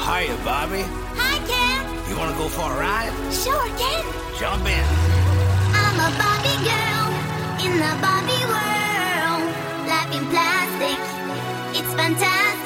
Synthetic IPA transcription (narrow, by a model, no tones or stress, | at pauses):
haɪɨbɑbi | haɪkæn | jɨwɑ̃nəɡoʊfɔə˞aɪ | ʃoʊəɡɛ̃n | d̥ʒ̥ʌ̃mpɪ̃n | ãɪ̃məbɑbiɡɜ˞lˠ | ɪ̃nðəbɑbiwɜlˠ | læɪpɪ̃ŋpʰlæstɪk | ɪtsfæ̃ntʰæs